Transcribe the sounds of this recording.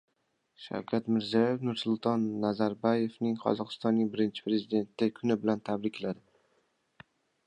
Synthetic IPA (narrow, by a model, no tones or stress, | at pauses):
ʃa̰wkʲʰat̪mɪɾzijɒjefnʊɾsʊlˠt̪ʰɒnːazaɾbaje̞fnɪŋqʰɒ̰zɒqɨ̥st̪ɒnːɪŋbɪɾɪnt͡ʃʰɪ̥pʰɾe̞zid̪e̞nt̪ʰːɪkʰʊnɪbɪlant̪ʰabɾɪkʲʰlad̪ɪ